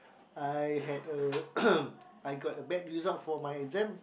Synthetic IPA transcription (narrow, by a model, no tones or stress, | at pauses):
ajɦɛdə | ajɡɔtəbɛt̚ɹizɔ̃nfɔmajɛzɛ̃m